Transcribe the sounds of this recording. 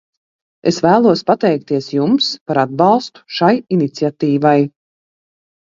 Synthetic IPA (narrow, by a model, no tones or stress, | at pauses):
ḛsvæːlˠuɔspat̪ɛjk̚t̪iɛsjumspaɾad̪̚bɑlˠst̪u̥ʃajinit̪siat̪iːvaj